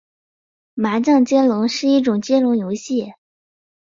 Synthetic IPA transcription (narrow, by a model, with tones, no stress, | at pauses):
ma˧˥t͡ɕɑ˥˧ŋt͡ɕjɛ˥nlʊ˧˥ŋʂɻ̩˥˧i˥˩ʈ͡ʂʊ˨˩ŋt͡ɕɛ˥nlʊ˧˥ŋjo˧˥ʊɕi˥˩